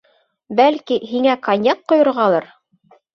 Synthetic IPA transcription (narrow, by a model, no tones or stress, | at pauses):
bælkiɦiŋækɐnʲjɑt̪̚qŏjŏɾʁɑlˠɑɾ